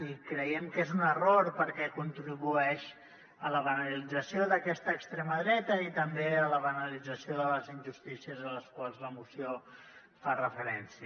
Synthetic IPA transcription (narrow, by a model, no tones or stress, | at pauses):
ikɾəjɛmkezunəroɾpəɾkɛkunt̪ɾiβuɛʃ | ələβənəlid͡zəsioðəkɛst̪əːkst̪ɾeməðɾɛt̪əit̪əmbeələβənəlid͡zəsioðələzinʲʒust̪isiəzələskwalˠzləmusio | farəfəɾɛnsi